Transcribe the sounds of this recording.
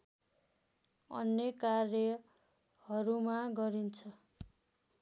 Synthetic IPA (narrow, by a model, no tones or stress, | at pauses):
ʌ̰njʌkarjʌ | hʌɾumaɡʌɾint͡sʰʌ